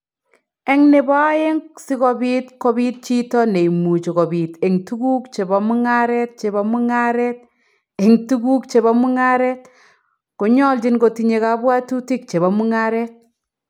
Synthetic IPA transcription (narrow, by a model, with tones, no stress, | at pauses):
ɛ˦ŋne˨ba˦je˦ŋsɪ˦kɔ˨bi˦tkɔ˦bi˦t̚t͡ʃi˦tɔ˦ne˨i˨mu˨t͡ʃi˨kɔ˨bi˨te˨ŋtu˦ɡu˦kt͡ʃe˨ba˨mu˦ŋa˦ɾɛt̚t͡ʃe˨ba˨mu˦ŋa˦ɾɛ˦t̚ | e˨ŋtu˦ku˦kt͡ʃe˨ba˦mu˦ŋa˦ɾɛt̚ | ko˨ɲɔ˦lt͡ʃi˦nɡo˨ti˨ɲe˨ka˨bwa˦tu˦ti˦k̚t͡ʃe˨βa˨mu˦ŋa˦ɾɛ˦t̚